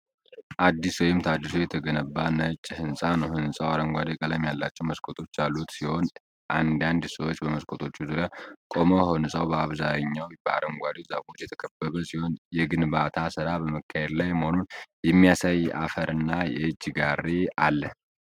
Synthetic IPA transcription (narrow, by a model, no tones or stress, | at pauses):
ʔad̪ːiswɔjɪmt̪ʰad̪ːisujɛt̪ʰəɡənəbːanət͡ʃʼːhɨnsʼanəwhɨnsʼawaɾəŋɡʷad̪ekʼələmjalːat͡ʃːɛwməskʼot̪ʰo̞t͡ʃːjalːut̪siho̞n | ʔand̪and̪səwot͡ʃːbəməskʼot̪ʰo̞t͡ʃːuzuɾjakʼo̞mohonɨsʼawbəaβzajɲːawbəa̰ɾəŋɡʷad̪ezafo̞t͡ʃːjɛt̪ʰə̥kʰəbːəβəsiho̞njɛɡɨnbat̪ʰasɨɾabəməkʰːahed̪lajməhononjɛmːijasajʔa̰fəɾʔɨnːajɛ̰ɨd͡ʒːɡaɾːea̰lːə